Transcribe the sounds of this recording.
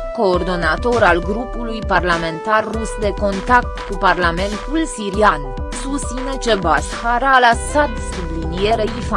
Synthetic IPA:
ko̞ːrd̪o̞nat̪o̞ɾalɡɾupulujparlame̞nt̪arːusd̪e̞ko̞nt̪ak̚t̪kuparlame̞nt̪ulsiɾian | sust̪sine̞t͡ʃebasxaɾalasat̪sublinijeɾeifa

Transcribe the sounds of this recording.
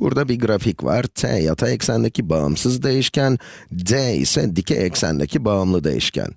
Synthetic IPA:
b̥uɾd̪abiɡɾaficva̰ɾ̥t̪ʰɛ̰ja̰t̪ʰaɛcsænd̪ʲecʰibaɯ̰msɯzd̪ejiʃcæn | d̪ɛḭsɛd̪icʰɛɛcsæ̰nd̪ḛcʰibaɯmlˠɯd̪e̞̰jḭʃcʰæ̰n

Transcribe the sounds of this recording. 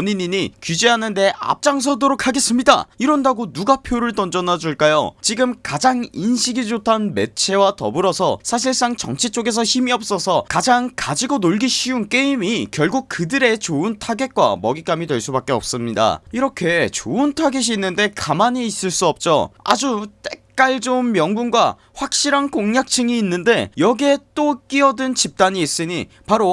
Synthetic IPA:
ʌɲiɲiɲikid͡ʑiɦanɯnde̞ʔa̰p̚t͡ɕ͈aŋs̬ʰʌdoɾokʰaɡe̞s͈ɯmɲida̰iɾʌndaɡonuɡapʰjoɾɯɭtʌnd͡ʑʌnad͡ʑuɭk͈ajo̰t͡ɕiɡɯmkad͡ʑaŋinɕʰiɡid͡ʑotʰanme̞̰t͡ɕʰe̞watʌ̰buɾʌsʰʌsʰaɕ̬ʰiɭs͈aŋt͡ɕʌ̰ŋt͡ɕʰit͡ɕ͈oɡe̞s̬ʰʌçimiʌp̚s͈ʌsʰʌkad͡ʑaŋkad͡ʑiɡonoɭɡiɕʰiunk͈e̞imikjʌɭɡuk̚kɯdɯɾe̞t͡ɕoɯntʰaɡe̞k̚k͈wa̰mʌɡik͈amidwe̞ɭs͈ubak͈e̞ʌ̰p̚s͈ɯmɲida̰iɾʌkʰe̞t͡ɕoɯntʰaɡeɕ̬iːnːɯnde̞kamaɲiːs͈ɯɭs͈uʌp̚t͡ɕ͈o̰a̰d͡ʑut͈e̞k̚k͈aɭd͡ʑonmjʌŋɡunɡwa | ɸwak̚ɕ͈iɾankoŋɲak̚t͡ɕʰɯŋiːnːɯnde̞jʌɡe̞t͈ok͈iʌdɯnt͡ɕip̚t͈aɲiːs͈ɯɲi | paɾo

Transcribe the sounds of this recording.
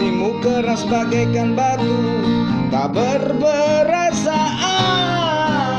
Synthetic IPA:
imukəɾasəbaɡajkanbat̪u | t̪abərbəɾasaʔa

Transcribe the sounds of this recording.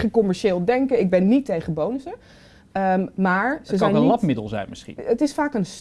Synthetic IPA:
χəkɔmɛɹʃɪːlˠdɛŋkəɪɡ̚bɛnːitejχəbownəsə | əmaːɹz̥əɛjnlɑpmɪdəlˠzɛ̰jnmɪsχḭnətɪsfaːkəns

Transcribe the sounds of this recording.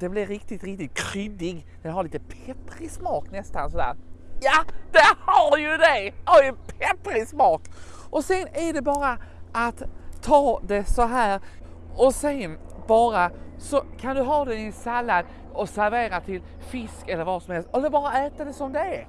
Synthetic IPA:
d̪̥ɛblɪɾɾɪk̚t̪ɪt̪ɾɪkt̪ɪt̪̚kʰɾʏd̪ɪɡd̪ɛnɦaɾɭiːt̪əpʰɛt̪ɾɪsmɑːknɛst̪ansɔd̪æ̰ːɾjad̪̥ɛhaɾjɵd̪ɛhaɾjɵpʰɛt̪ɾɪsmɑːk | ʔɔsɛnæɖɛbɑːɾaʔat̪ʰːɑːd̪ɛsɔɦæːɾ | ɔsɛnbɑːɾasɔkʰand̪ɵɦɑːd̪ɛnɪsalːad̪ | ɔsæɾveːɾat̪ʰɪl | fɪskɛlːəɾvasɔmhɛlst̪ɛlːəɾbɑːɾaɛːt̪ad̪ɛsɔmd̪ɛæ

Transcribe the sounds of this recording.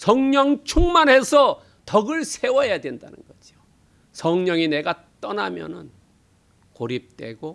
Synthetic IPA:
sʰʌŋɲʌŋt͡ɕʰuŋmanɦesʰʌ | tʌɡɯɭsʰe̞wʌɦejadwe̞nda̰nɯ̰nɡʌd͡ʑio | sʰʌŋɲʌŋine̞ɡat͈ʌnamjʌ̰nɯ̰n | koɾip̚t͈we̞̰ɡo

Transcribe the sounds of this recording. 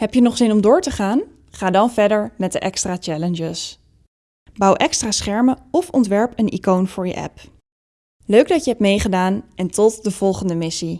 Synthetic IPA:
ɦɛpjənɔχz̥ɪnɔmdʊːɹtəχaːn | χaːdɑnvɛɹdəɹmɛt̚dəʔɛkstraːt͡ʃɛlənd͡ʒəs | bɑwʔɛkstraːsχɛɹməɔfɔntʋɛɹpənḭkownv̥ʊːɹjə̰ʔɛ̰p | løɥɡdɑtjəɦɛp̚tmejχədaːnʔɛntɔt̚dəv̥ɔlˠχəndəmɪsi

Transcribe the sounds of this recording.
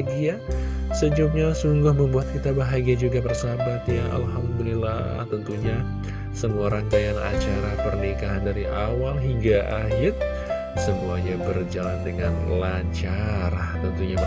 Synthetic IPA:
ɡia | səd͡ʒup̚ɲasuŋɡʊhməmbuat̪̚kit̪abaɦaɡiad͡ʒuɡapərsabat̪jaa̰lɦamd̪ulila | t̪ənt̪uɲa | səmuaɾaŋkajana̰t͡ʃaɾapərnikaɦandaɾiʔawalɦiŋɡaʔaɦɪr | səmuaɲabərd͡ʒalandəŋanlaɲt͡ʃaɾat̪ənt̪uɲa

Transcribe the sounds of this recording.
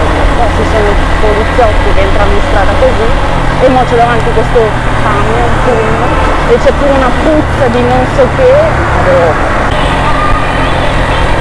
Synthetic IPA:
pɔsesonosolut̪sːjoːnkekɛnt̪ɾanoĩnst̪ɾaːt̪akozi | emːɔt͡ʃ̪ːod̪avant̪ikwest̪o | paɲopuɾno | et͡ʃɛpːuːɾeunaput̪sːad̪inonsɔkːe | ao

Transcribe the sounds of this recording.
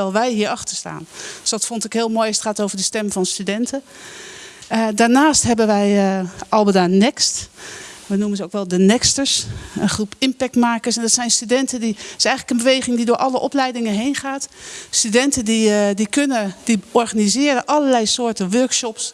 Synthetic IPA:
ɛlˠʋɛjɦiːəɹɑxtəɹsta̰ːnsdɔtfɔntɪkɦɪːlˠmoːjɑsə̥tχaːtowvəɹdəstɛmvɑnstydɛntʰə | daːɹnaːstɦɛbənʋɛjʔɑlˠbədanɪkstʋənumənsowkʋɛlˠdənɪkstəɹsənχrupɪmpɛk̚tmaːkəɹsɛndɑtsɛjnstydɛntədiɪsɛjxənləkənbəʋejχɪŋdidʊːɹʔɑləʔɔplɛjdɪŋənɦejnχaːtstydɛntədidikønəd̥iɔɹχanizɪːɾəʔɑləɹlɛjsoːɹtənʋøɹkʃɔps

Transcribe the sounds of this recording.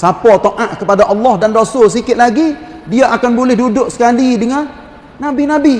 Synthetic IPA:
sapɔt̪oʔaʔkəpadaʔɑlːɔhdandosʊls̬ikɪt̪̚laɡidiaʔakanbulɪhdudʊʔ̚sə̥kalidəŋan | nabinabi

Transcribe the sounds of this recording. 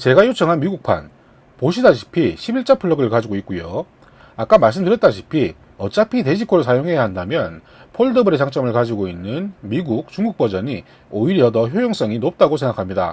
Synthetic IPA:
t͡ɕe̞ɡaçjot͡ɕʰʌŋɦanmiɡuk̚pʰa̰n | poɕʰidaɕʰi̥pʰiɕʰibiɭt͡ɕ͈apʰɯɭːʌɡɯɭkad͡ʑiɡoit̚k͈ujo | ak͈amaɭs̬͈ɯmdɯɾjʌt͈aɕʰi̥pʰi | ʌt͡ɕ͈apʰite̞ɕʰikʰoɾɭs̬ʰajoŋɦe̞jaɦandamjʌn | pʰoɭdʌbɯɾet͡ɕaŋt͡ɕ͈ʌmɯɭkad͡ʑiɡoinːɯnmiɡuk̚t͡ɕuŋɡuk̚p͈ʌd͡ʑʌɲi | oiɾjʌdʌçjojʌŋs͈ʌŋinop̚t͈aɡosʰe̞ŋɡakʰamɲida̰

